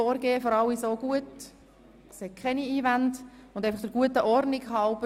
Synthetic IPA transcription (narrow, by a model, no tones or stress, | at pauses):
ɔːɾɡeːəfɔɾɑlːisoːɡ̥uət | seːkʰχɛniiːʋændʊndɛɪfɑχd̥əɾɡ̥uətəʔɔrnɪkhɑlb̥ə